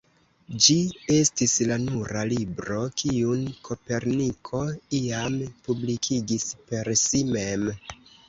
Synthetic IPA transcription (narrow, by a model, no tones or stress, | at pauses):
d͡ʒie̞stislanuɾalibɾo̞kʰiunkʰo̞pe̞ɾnikʰo̞iampublikʰiɡispe̞ɾsime̞m